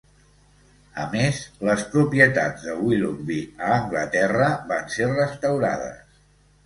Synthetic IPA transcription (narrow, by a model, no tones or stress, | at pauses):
ə̰mezləspɾupiət̪a̰d͡zd̪əwilumbiəːŋɡlət̪ɛrəβanserəst̪əwɾa̰ðə̰s